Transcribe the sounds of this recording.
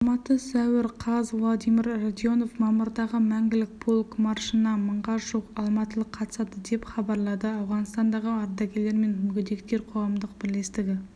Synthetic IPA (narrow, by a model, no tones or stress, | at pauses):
ɑmɑt̪əsæwɪɾqʰɑzvlˠad̪ijmiɾrad̪jo̞no̞fmɑmʊɾd̪ɑʁəmæŋɡʲɪlɪk̚bʰolˠkmɑɾʃənɑməɴʁɑʒuqɑlˠmɑt̪əlˠəqʰːɑt̪ə̥sɑd̪əd̪e̞pχɑbɑɾlˠɑd̪əɑwʁɑnst̪ɑnd̪ɑʁəɑɾd̪ɑɡʲele̞ɾme̞nmʏɡʲɪd̪e̞kt̪e̞ɾqʰo̞ʁɑmd̪əq̚bɪɾle̞st̪ɪɡʲɪ